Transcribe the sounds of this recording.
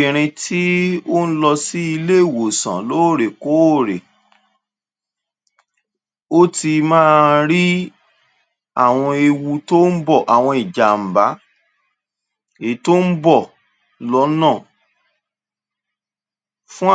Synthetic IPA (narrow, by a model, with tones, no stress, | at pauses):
i˨ɾ̃ĩ˧tʰi˦o˦n̩˦lɔ˧si˦i˧le˦i˦˨wo˨sã̰˨lo˨˦o˦˨ɾe˨ko˨˦o˦˨ɾe˨ | o˦ti˧mãː˦˧ɾi˦ | a˦˨w̃ɔ̃˧e˧wu˧to˦n̩˦bɔ˦˨ʔa˨w̃ɔ̃˧i˨d͡ʒa˨m̩˨ba˨˦ | e˨˦to˦n̩˦bɔ˦˨ | lɔ˨˦nãː˦˨ | fũ˦